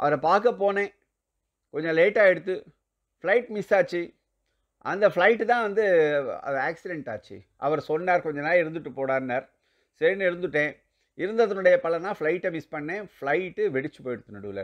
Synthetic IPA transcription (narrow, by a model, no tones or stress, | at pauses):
ʔɐ̰ʋɐɾɛpaːɾkɐpoːnẽː | kɔɲd͡ʒɔ̃leːʈːaːɛɽɯt̪ːɯ | fɭɐɪʈmɪsaːt͡ʃːi | ʔɐnd̪ɐfɭɐɪʈːɯt̪ãːʋɐnd̪ɯɐ̰ðɛaːksɪɖɛɳʈaːt͡ʃːḭ | ʔɐ̰ʋɐɾsɔnːaːɾkɔɲd͡ʒɐnːaːlɪɾɯnd̪ɯʈːɯpːoːɽaːɾnɐɾ | sɛɾnɪɾɯnd̪ɯʈːẽː | ɪɾɯnd̪ɐðɐnʊɽɐjɐpɐlɐnaːflɐɪʈːɛmɪspɐɳːẽːfɭɐɪʈːɯʋɛɽɪt͡ʃːɯ̥poːjɛɽɯt̪ːɯnɐɽuʋlɐ̰